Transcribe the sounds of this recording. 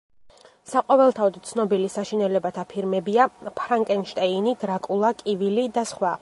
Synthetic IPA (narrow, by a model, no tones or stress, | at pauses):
saqʼɔvɛlˠt̪ʰaɔd̪t̪sʰnɔbilisaʃinɛlɛbat̪ʰapʰiɾmɛbiapʰɾaŋkʼɛnʃt̪ʼɛinid̪ɾakʼulˠakʼivilid̪asχwa